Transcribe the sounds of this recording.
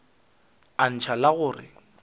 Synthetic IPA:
an̩t͡ʃʰalaɣʊːrɪ̰

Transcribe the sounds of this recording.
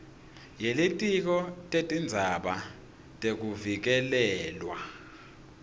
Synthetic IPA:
jelitʼik̬ɔtʼetʼind͡zʱaɓa | tʼek̬uvik̬ɛlɛːlwa̰

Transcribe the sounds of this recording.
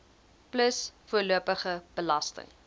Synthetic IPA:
pləsfuərluəpəχəb̥əlɐstə̰ŋ

